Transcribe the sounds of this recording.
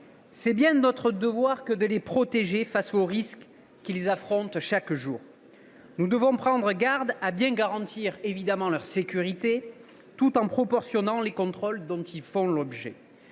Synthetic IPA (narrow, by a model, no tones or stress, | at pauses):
sɛbjɛ̃nɔt̪χəd̪əvwaʁkəd̪əlepχɔt̪eʒefasoʁisk | kʲːilezafχɔ̃t̪ʃakʒuːʁ | nud̪əvɔ̃pχɑ̃d̪ʁəɡaʁd̪abjɛ̃ɡaʁɑ̃t̪ʰiʁevid̪amɑ̃lœʁsekʲyʁit̪e | t̪ut̪ɑ̃pχɔpɔʁsjɔnɑ̃lekɔ̃t̪χɔld̪ɔ̃t̪ilfɔ̃lɔbʒɛ̰